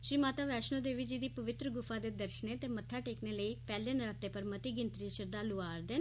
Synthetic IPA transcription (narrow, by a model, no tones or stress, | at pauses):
ʃɾiːmaːt̪aːʋɛːʃnoːd̪eːʋiːd͡ʒiːd̪iːpəʋɪt̪ɾəɡʊfʰaːd̪eːd̪əɾʃəneːt̪eːmət̪ʰːaːʈeːkneːləiːpɛːleənɾaːt̪ːeːpəɾmət̪iːɡɪnt̪ɾiːʃəɾd̪aːlʊaːɾd̪en